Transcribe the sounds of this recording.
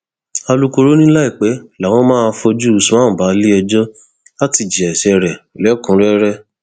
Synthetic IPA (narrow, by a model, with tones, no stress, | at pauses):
a˧lu˦ko˧ɾo˦nĩ˦la˦i˦˨k͡pɛ˨˦la˨w̃ɔ̃˦mãː˦˧fo˧d͡ʒu˦˨sãː˦˨ba˨˦li˦ɛ˧d͡ʒɔ˦ | la˦ti˧˨d͡ʒi˨ɛ˨ʃɛ˧˨ɾɛ˨lɛ˨˦kũ˨˦ɾɛ˦ɾɛ˦